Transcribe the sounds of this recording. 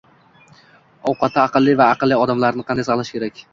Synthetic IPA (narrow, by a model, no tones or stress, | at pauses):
ɒwqɑt̪ʰːaɑqɨlˠːivaːqɨlːiɒd̪amlaɾnɪqʰɑnd̪ajsɑχlˠaʃkʲʰe̞ɾakʲ